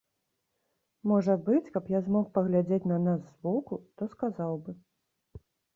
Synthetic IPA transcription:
mɔʐɐbɨt͡sʲkɐpjazmɔxpɐɣlʲad͡zʲet͡sʲnɐnazzbɔkut̪ɔskazawbɨ

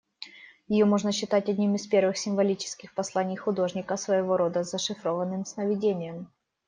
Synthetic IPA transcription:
jɪjomo̞ʐnəɕːɪt̪atʲɐdʲnʲimɪspʲe̞rvɨxsʲɪmvɐlʲit͡ɕɪ̥skʲɪxpɐslˠanʲɪjxʊd̪o̞ʐnʲɪkəsvəjɪvo̞ɾo̞d̪əzəʂɨfɾo̞vənːɨmsnəvʲɪdʲenʲɪjəm

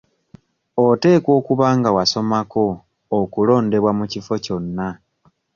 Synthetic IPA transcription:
o̞te̞ːkwo̞ːkuβaːŋɡawaso̞mako̞ː | kulo̞ːnde̞βwamucifo̞co̞nːa

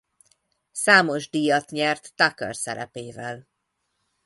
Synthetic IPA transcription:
saːmo̞ʒd̪ijɒt̪ɲɛrt̪ːɒkø̰rsɛɾɛ̰peːvɛl

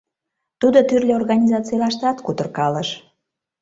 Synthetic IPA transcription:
t̪ud̪ot̪yrlʲeorɣɑnʲizɑt͡sijlɑʃt̪ɑt̪kut̪ərkɑləʃ

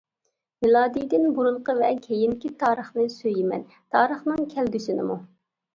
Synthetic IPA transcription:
vɪlˠɑːd̪ijd̪ɪnbuɾuɴqəvɛkʲʰejinkʲit̪ʰɑːɾəχnɨsøjimɛ̰n | t̪ʰɑːɾəχnɨŋkʲʰɛlɡʲysɪnɪ̰mṵ

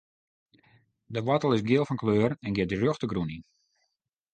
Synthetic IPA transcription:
dəʋɔtəlˠɪsɡjɪəlˠfɔnkløːrɛnɡjɪtdərøxtəɡrunin

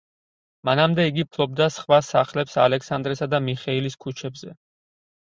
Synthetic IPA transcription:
manamd̪ɛiɡipʰlˠɔb̚d̪asχwasaχlɛpsa̰lɛksand̪ɾɛsad̪amiχɛiliskʰut͡ʃʰɛbz̥ɛ

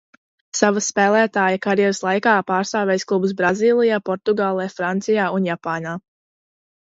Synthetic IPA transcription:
savaspɛːlˠæːt̪aːjəkaɾjɛɾɨslˠajkaːpaːɾst̪aːvʲɛjsklˠubus̬bɾaziːlˠijaːpɔɾt̪uɡaːlˠɛːfɾant̪sijaːunjapaːnaː

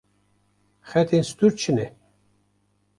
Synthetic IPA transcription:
xɛt̪ʰenst̪uɾt͡ʃʰɨnɛ

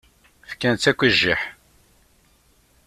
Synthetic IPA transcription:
fkːænt͡sːækʷːiʒːiħ

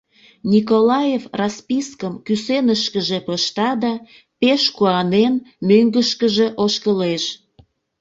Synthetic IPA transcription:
nʲikolɑjefrɑspiskəmkysenəʃkəʒepəʃt̪ɑd̪ɑ | peʃkuɑnenmøŋɡəʃkəʒe̽ʔoʃkəleʃ

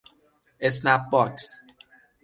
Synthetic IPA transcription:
es̬nap̚bɔks

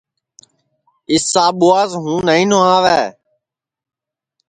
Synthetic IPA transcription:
ɪsːaːɓʊːaːzɦũːnəĩːnoãːʋɛː

